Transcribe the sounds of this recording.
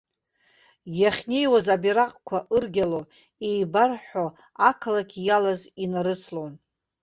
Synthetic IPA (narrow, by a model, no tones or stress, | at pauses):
jaχʲne̞jwazabiɾaqʼkʷʰaʔɨrɡʲalo | ejbarħo | akʰalakʲʰjalazinaɾɨt͡sʰlon